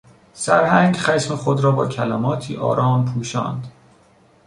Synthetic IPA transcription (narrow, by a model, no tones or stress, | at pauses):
sæɾhæŋɡχæʃmexod̪ɾɒːbɒ̰ːcʰælæmɒːt̪ʰiːʔɒ̰ːɾɒːmpʰuːʃɒ̰ːnd̪